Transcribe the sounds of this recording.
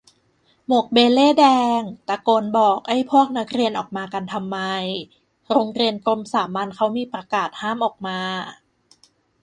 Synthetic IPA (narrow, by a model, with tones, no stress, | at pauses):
mu˨˩ək̚beː˧leː˥˩dɛː˧ŋt̪a˧˩koː˧nbɔː˨˩k̚ʔa˥˩jpʰu˥˩ək̚na˦˥k̚ɾi˧ənʔɔː˨˩k̚maː˧ka˧nt̪ʰa˧mːa˧j | ɾoː˧ŋɾi˧ənkɾo˧msaː˩˦mːa˧nkʰa˦˥wmiː˧pɾa˧kaː˨˩t̪̚haː˥˩mʔɔː˨˩k̚maː˧